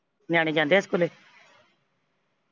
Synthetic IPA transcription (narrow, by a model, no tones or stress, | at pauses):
njaːñẽːd͡ʒãːnd̪eːskʊleː